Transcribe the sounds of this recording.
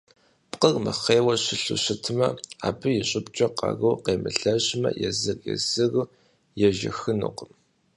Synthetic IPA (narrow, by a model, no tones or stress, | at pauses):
pqərmɐχeːwɐɕɪɬṵɕɪtʰɨmɐa̰ːbɨjɛɕʼɪpt͡ʃʼɐqɑ̰ɣɨwqeːmɨɬɐʑmɐ̰jɛzɨrjɛ̰zɨɣ | jɛʒɪ̰xɨnṵqəm